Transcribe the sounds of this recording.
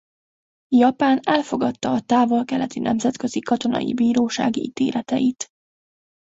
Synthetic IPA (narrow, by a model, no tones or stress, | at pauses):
jɒpaːnɛlfo̞ɡɒt̪ːɒːt̪aːvo̞lkɛlɛt̪inɛmzɛt̪kø̞zikɒt̪o̞nɒ̰jḭbiːɾoːʃa̰ːɡiit̪eːlʔɛt̪ɛjit̪